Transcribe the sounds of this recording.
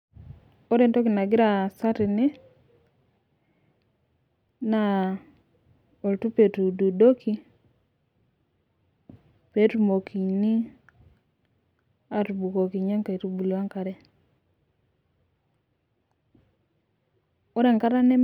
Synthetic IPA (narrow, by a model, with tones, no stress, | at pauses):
o˦ɾɛ˦nto˦ki˨na˨ɡɪ˦ɾa˨sa˦ɾi˨ne˦ | na˦˨ | o˨ltu˦pe˨tu˨du˨do˦ki˦ | pe˨˦tu˦mo˨ki˨ni˦ | a˨tu˨bu˨ko˨ki˨ɲa˦ŋka˨i˨ɾu˦bu˨la˦ŋka˨ɾɛ˦ | o˦ɾe˨ŋka˦ɾa˦nɛ˦